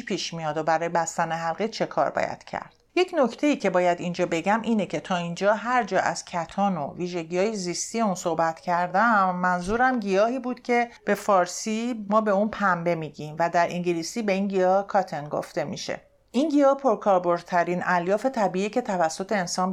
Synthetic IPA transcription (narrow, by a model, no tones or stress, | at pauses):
pʰiːʃmijɒːd̪obæɾɒːjebæst̪æneɦælɣet͡ʃʰe̞kʰɒ̰ːɾbɒ̰jæ̰d̪̥cʰæ̰ɾd̪̥je̞cʰno̞cʰt̪ʰeiːcʰe̞bɒːjæd̪ind͡ʒɒːbe̞ɟæmʔiːnecʰe̞t̪ʰɒːind͡ʒɒːɦæɾd͡ʒɒːʔæz̥cʰæt̪ʰɒːno̰viːʒe̞ɟijɒːjezist̪ijeunso̞hbæt̪ʰcʰæɾd̪æmːænzuːɾæmɟijɒːhiːbuːd̪̥cʲʰe̞b̥e̞fɒːɾsiːmɒːbe̞unpʰæmbe̞miːɟimvæd̪æɾʔiŋɟilisiːbe̞inɟijɒːhkʰɒt̪ʰenɡo̰ft̪e̞mḭʃḛ | inɡijɒːhpʰo̞ɾkʰɒːɾbo̞ɾ̚t̪ʰæɾiːnæljɒːfe̞t̪ʰæbiiːce̞t̪ʰævæsːo̞t̪ʰe̞ensɒːn